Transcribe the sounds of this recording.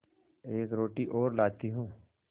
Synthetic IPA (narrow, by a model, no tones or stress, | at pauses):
eːkɾoːʈiʔɔːɾlaːt̪iɦũː